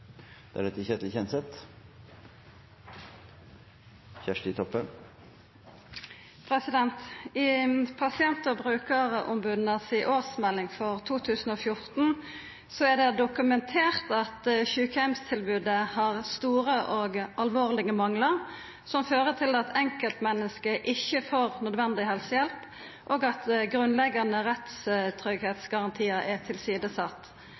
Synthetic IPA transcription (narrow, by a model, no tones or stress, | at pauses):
d̪̥ɛæ̰ɾɖɛt̪ːəçɛt̪lçɛnsɛt̪ | çæʂʈɪt̪ʰɔpːən | pʰʁɛsɪd̪ɛnt̪ɪpʰɑsɪɛnt̪əʁbʁʉːkəʁəʔʊmbʉd̪nəsɪʔoːʁsmɛlːɪŋfɔʁt̪ʰuːt̪ʰʉːsən̩oːfjʊʁt̪n̩ | sɔæd̪ɛd̪ʊkʉmɛnt̪ʰeːʁt̪ɑt̪çʉːkɛmst̪ʰɪlbʉːd̪əhɑʁst̪uːɾəʔɔɡɑlʋoːʁlɪɡəmɑŋləʁ | sɔmføːʁət̪ʰɪlɑt̪ʰɛŋkəlt̪mɛnːəskəʔɪçːəfoːʁnœd̪ʋɛnd̪ɪhɛlsəjɛlp | ʔoːɡɑt̪ɡʁʉnlɛɡɑnəʁɛt̪st̪ʰɾʏɡheːt̪sɡɑʁɑnt̪ʰiːəɾɛt̪ʰɪlsiːd̪əsɑt̪ː